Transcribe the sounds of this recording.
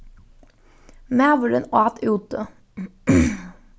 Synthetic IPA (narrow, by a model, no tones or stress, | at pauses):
næːʋəɾə̰nɑːt̪ʰʉːt̪ə